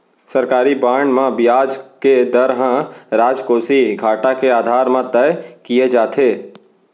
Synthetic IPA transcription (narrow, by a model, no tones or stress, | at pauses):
sɐɾkaːɾibaːɳɖmãbɪjaːd͡ʒked̪əɾɦãɾaːd͡ʒkoːsiɡʱaːʈakeaːd̪ʱaːɾmãt̪əjkijed͡ʒaːt̪ʰeː